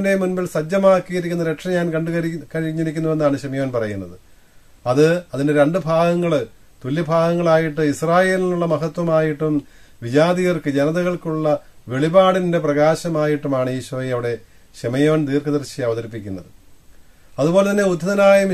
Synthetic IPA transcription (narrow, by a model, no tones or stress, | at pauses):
nde̞munbilsɐd͡ʑːɐmaːkːijiɾikʲːunːɐɾe̞ʈʂɐmɲaːnkɐɳɖɨɣɐɾkɐɻiɲːiɾikʲːunːuʋe̞nːaːɳɨɕɐmɐjoːnpɐrɐjunːɐðɨ | ɐðɨɐðinde̞ɾe̞ɳɖɨbʱaːɡɐŋːɐɭ | t̪ulːibʱaːɡɐŋːɐɭaːjiʈːɨisraːje̞ːlinuɭːɐmɐɦɐt̪wɐmaːjiʈːum | ʋid͡ʑaːðiɣɐrkɨd͡ʑenɐðɐɣɐɭkuɭːɐʋe̞ɭibaːɽinnde̞prɐɣaːɕɐmaːjiʈːumaːɳɨeːɕɐʋɐɐʋiɽe̞ | ɕemɐjoːnt̪iːrkɐðɐrɕiɐʋɐðɐɾipːikʲːunːɐðɨ | ɐðubo̞ːlet̪ɐnːe̞ud̪ʱːɐðɐnaːjɐm